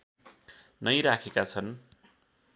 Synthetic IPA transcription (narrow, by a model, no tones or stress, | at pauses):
nʌjɾakʰekat͡sʰʌn